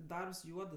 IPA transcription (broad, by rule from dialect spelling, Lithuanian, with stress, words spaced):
ˈdɐrps ˈjuɔdɜ